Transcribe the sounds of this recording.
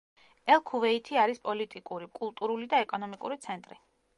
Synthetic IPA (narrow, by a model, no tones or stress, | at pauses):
ɛlˠkʰuvɛit̪ʰiaɾispʼɔlit̪ʼikʼuɾikʼulˠt̪ʼuɾulid̪aɛkʼɔnɔmikʼuɾit̪sʰɛnt̪ʼɾi